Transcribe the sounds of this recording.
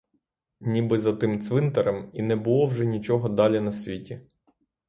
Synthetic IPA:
nʲibɪzɐt̪ɪmt̪sʋɪnt̪ɛɾɛminɛbʊlˠɔwʒɛnʲit͡ʃɔɦɔd̪ɑlʲinɐsʲʋʲitʲi

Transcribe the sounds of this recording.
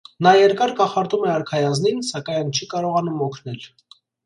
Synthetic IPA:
nɑjɛɾkɑɾkɑχɑɾt̪umɛɑɾkʰɑjɑzninsɑkɑjnt͡ʃʰikɑɾɔʁɑnumɔkʰnɛl

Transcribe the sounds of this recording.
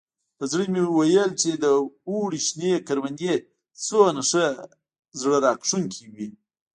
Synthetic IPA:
əzɽəmewajəlt͡ʃed̪əuɽiʃnekaɾwand̪e | t͡sonaʂə | zɽəɾɑkʂuŋkʰiwi

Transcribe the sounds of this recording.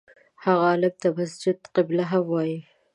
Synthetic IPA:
haɣaːlab̚t̪amasd͡ʒɪd̪qɪblaɦamwɑji

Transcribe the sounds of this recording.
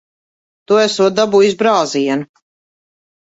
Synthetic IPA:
t̪uæsuɔt̪̚d̪abujizbɾaːziɛnu

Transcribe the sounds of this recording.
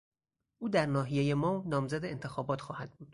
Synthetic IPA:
ʔuːd̪æɾnɒːɦijejemɒːnɒːmzæd̪eent̪ʰe̞xɒːbɒːt̪ʰxɒːhæd̪̥̚buːd̪̥

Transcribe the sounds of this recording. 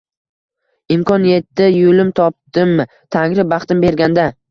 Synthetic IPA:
ɪmkʰɒnje̞t̪ːɪjʊlɪmt̪ʰɒp̚t̪ɪmːɪ | t̪ʰaŋɾɪbɑχt̪ɪmbe̞ɾɡʲand̪a

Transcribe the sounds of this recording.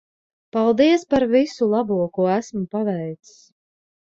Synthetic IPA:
palˠd̪iɛspaɾvisulˠɑbuɔkuæsmupavɛjt̪ss

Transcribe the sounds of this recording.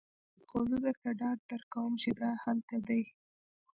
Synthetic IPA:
qozud̪əɾt̪aɖɑɖ̚d̪aɾkawəmt͡ʃɪd̪ahalt̪ad̪aj

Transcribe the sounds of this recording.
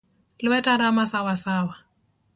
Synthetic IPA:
lɪwɛtʼaɾamasawasaːwa

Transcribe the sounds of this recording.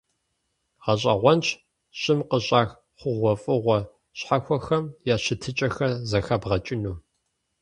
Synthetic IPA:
ʁɐɕʼɐ̰ʁʷɔnt͡ʃʰ | ɕʼɪmqəɕʼaːx | χʷʊʁʷɔfʼɨʁʷɔ | ɕħaxʷɔxɐmjaːɕɪtʰɨt͡ʃʼɐxɐzɐxɐbʁɐt͡ʃʼɪnuː

